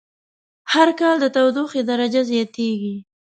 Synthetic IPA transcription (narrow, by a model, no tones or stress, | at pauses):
haɾkɑld̪ət̪awd̪uxed̪aɾad͡ʒazjɑt̪eɡi